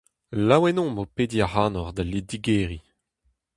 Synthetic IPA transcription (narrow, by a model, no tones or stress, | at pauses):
lawɛnɔ̃mopediaʁaːnɔʁd̪alidiɡɛːʁi